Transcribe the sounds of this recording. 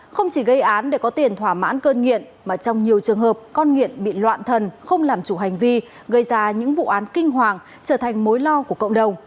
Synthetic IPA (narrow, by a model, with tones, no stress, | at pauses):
xə˧wŋ͡mt͡ɕi˧˩ɣə˧jʔaː˨˦nɗe˧˩kɔ˨˦t̪i˨˩ənt̪ʰwaː˧˩ma̰ː˧˥nkəː˧nŋḭ˧˨ən | maː˨˩t͡ɕɔ˧wŋ͡mɲi˨˩əwt͡ɕɨ˨˩əŋɦəː˨˩p̚kɔ˧nŋḭ˧˨ənɓḭ˧˨lwa̰ː˧˨nt̪ʰə˨˩nxə˧wŋ͡mlaː˨˩mt͡ɕu˧˩ɦa˨˩jŋ̟vi˧ | ɣə˧˩jzaː˧ɲɨ̰˧˥ŋvṵ˧˨ʔaː˨˦nkï˧ŋ̟ɦwaː˨˩ŋ | t͡ɕəː˧˩t̪ʰa˨˩jŋ̟mo˨˦jlɔ˧ku˧˩əkə̰˧˨wŋ͡mɗə˨˩wŋ͡m